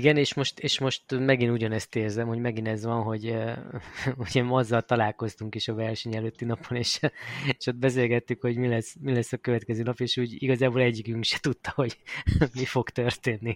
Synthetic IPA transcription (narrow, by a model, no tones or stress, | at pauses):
iɡɛneːʃmo̞ʃt̪eːʃmo̞ʃt̪mɛɡinuɟɒnɛst̪eːrzɛmho̞ɟmɛɡinɛzʋɒnɦo̞ɟ | uɟɛmɒzːɒlt̪ɒlaːlko̞st̪uŋkiʃɒvɛrʃɛɲɛløt̪ːinɒponeːʃeʃot̪̚bɛs̬eːlɡɛt̪ːykho̞ɟmilɛsmilɛsːɒkøvɛt̪kɛzøːnɒpeːʃuːɟiɡɒzaːbolɛɟːiɡyŋkʃɛ̥t̪ut̪ːɒho̞ɟmifo̞ɡt̪ørt̪eːnːi